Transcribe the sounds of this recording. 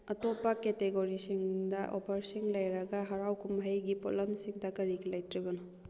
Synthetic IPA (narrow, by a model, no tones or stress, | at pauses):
ɐtopːɐketeɡoɾisiŋdɐʔopʰɐɾsiŋlɐjɾɐɡɐɦɐɾawkʰumɦɐjɡipolɐmsiŋdɐkɐɾikʰilɐjtɾibɐnɐ